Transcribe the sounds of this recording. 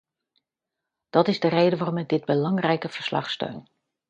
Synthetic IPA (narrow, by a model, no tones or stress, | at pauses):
d̥ɔtɪzdərejdəʋaːrɔmɛk̚dɪd̚bəlɑŋrɛjkəvəɹslɑ̰χstø̰ɥn